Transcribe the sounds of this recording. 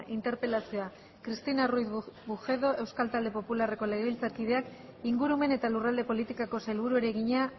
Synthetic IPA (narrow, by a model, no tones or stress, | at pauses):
ʔint̪e̞ɾpe̞lasioa | kɾist̪inarujθbuxe̞ð̞o̞ʔe̞wskalt̪ald̪e̞po̞pulare̞ko̞le̞ɣeβilt͡saɾkið̞e̞ak | iŋɡuɾume̞ne̞t̪alurald̪e̞po̞lit̪ikako̞salβ̞uɾueɾe̞ɣiɲa